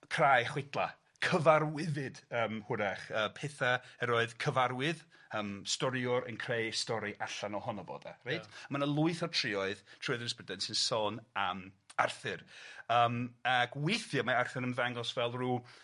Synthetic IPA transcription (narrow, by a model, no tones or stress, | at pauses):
kʰr̥ajχwɪdlˠa̰ | kʰəvaɾwɪvɨdəːmhʊɾaχəːpʰeθaɛɾɔɨðkʰəvaɾwɪðəːmstɔɾiʊɾə̰nkʰrejstɔɾiʔaɬanɔhɔnɔvɔ̰da̰rejtʰmanalˠʊɨθɔtʰr̥ɪɔɨð̥tʰrɔɨðnɛspədɛnsɪnsɔːnamarθɨrəːmaɡwejθjamaarθɨɾənvaŋɔsvɛlˠruː